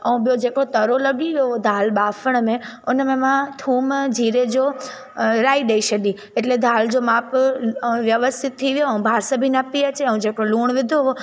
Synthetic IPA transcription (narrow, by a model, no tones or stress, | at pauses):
əũbjod͡ʒekot̪əɾoləɡiʋjood̪ʱalɓafəɳ̃mẽonemẽmãt̪ʰumd͡ʒiɾed͡ʒo | ɾaiɗeiʃəd̪i | eʈled̪ʱald͡ʒomap | ʋjəʋəst̪ʰit̪ʰːiʋjoũbʱaɾsəbʱinəpːiət͡ʃʰeəũd͡ʒekoluːɳʋɪd̪ʱoʋo